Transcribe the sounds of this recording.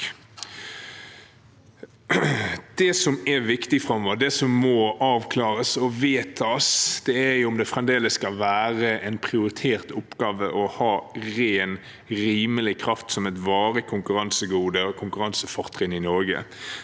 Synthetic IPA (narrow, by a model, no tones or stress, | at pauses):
d̪̥ɛsɔmɛʋɪkt̪ɪfʁɑmɔd̪ɛsɔmːɔʔɑːʋkʰlɑːʁəsɔʋeːt̪ʰɑsd̪̥ɛæɾjʊʊmd̪ɛfʁɛmd̪eːləsːkɑlʋæːʁəʔɛnpʰʁɪʊɾɪt̪ʰeːʁt̪ʊpːɡɑːʋəʔɔhɑːʁeːn | ɾiːməlɪkʰɾɑft̪sɔmɛt̪ʋɑːɾəkʰʊŋkʉɾɑnsəɡuːd̪əkʰʊŋkʉɾɑnsəfɔʁt̪ʰʁɪnɪnɔɾɡə̰